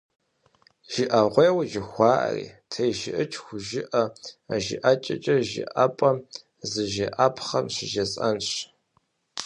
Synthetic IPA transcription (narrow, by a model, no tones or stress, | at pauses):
ʒ̥ɪʔɐʁʷeːwʒɪxʷɑːʔɐ̰rḭːtʰejʒɪʔɨt͡ʃʰʼxʷʊʒɪʔɐaʒɪ̰ʔat͡ʃʼɐ̰t͡ʃʼɐʒɪ̰ʔapʼɐ | zɨʒeʔapʰχɐmɕɪʒɐsʼɐnɕ